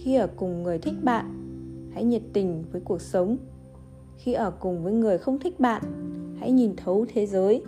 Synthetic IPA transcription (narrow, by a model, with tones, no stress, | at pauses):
xi˧ʔəː˧˩kʊ˨˩ŋ͡mŋɨ˨˩əjt̪ʰï˦˥k̟̚ɓa̰ː˧˨nha̰˧˥jɲə˨˩t̚t̪ï˨˩ŋ̟vəː˨˦jku˨˩ək̚sə˨˦wŋ͡m | xi˧ʔəː˧˩kʊ˨˩ŋ͡mvəː˨˦jŋɨ˨˩əjxə˧wŋ͡mt̪ʰï˦˥k̟̚ɓa̰ː˧˨nha̰˧˥jɲi˨˩nt̪ʰə˨˦wt̪ʰe˨˦zəː˨˦j